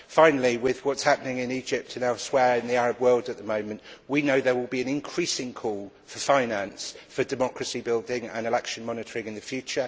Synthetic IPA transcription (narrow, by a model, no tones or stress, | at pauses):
fãɪ̃nəl̩iwɪðwɒtshapənɪ̃ŋɪ̃niːd͡ʒɪp̚tʰə̃nɛʊswɛːɹɪ̃nðiaɹəbwɜːlˠdəʔ̪ðəmə̃ʊ̃mə̃nʔwinəʊðəwɪlˠbiə̃nɪ̃nkʰɹ̥iˑsɪ̃ŋkʰɔːlˠ | fəfãɪnãnsfədɪmɒkɹəsibɪlˠdɪ̃ŋə̰̃nɪlɛkʃə̃nmɒnɪtʰəɹɪ̃ŋɪ̃nðəfjʉˑt͡ʃə